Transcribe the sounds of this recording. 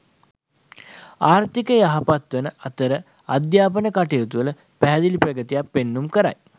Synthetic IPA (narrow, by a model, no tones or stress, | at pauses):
aːɾt̪ikəjaɦapat̪ʋənəʔat̪əɾə | ad̪jaːpənəkaʈejot̪uələ | pæɦæd̪ilipɾɐɡət̪ijapːenːumkəɾa̰j